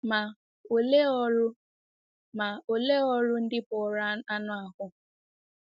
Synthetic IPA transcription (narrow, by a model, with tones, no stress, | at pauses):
ma˨ | o˨le˦ʊ˦ | ma˨o˨le˦ɔ˦ɾʊ˦n̩˦dɪ˦pʊ˨ɾa˦a˦nʊ˦a˨ɦʊ˦